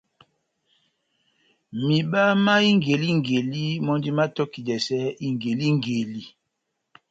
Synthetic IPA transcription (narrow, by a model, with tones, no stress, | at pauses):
mi˨ɓa˦ma˦i˦ŋɡe˨li˦ŋ˨ɡe˨li˦mɔ˦ndi˦ma˦tɔ˦ki˨dɛ˨sɛ˦i˦ŋ˨ɡe˨li˦ŋ˨ɡe˨li˦